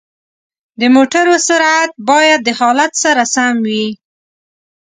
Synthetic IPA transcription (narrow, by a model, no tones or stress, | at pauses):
d̪əmoʈaɾosʊɾat̪̚bɑjad̪̚ːəhɑlat̪saɾasamwi